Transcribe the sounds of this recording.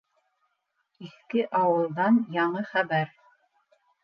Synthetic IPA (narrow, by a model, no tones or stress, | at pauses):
iθkɘʔɑwɤ̆lˠd̪ɑnjɑɴɤχæβæɾ